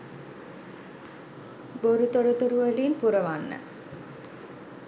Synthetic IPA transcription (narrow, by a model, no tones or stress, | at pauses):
boɾut̪oɾut̪oɾuʋəliːnpuɾəʋanːə̰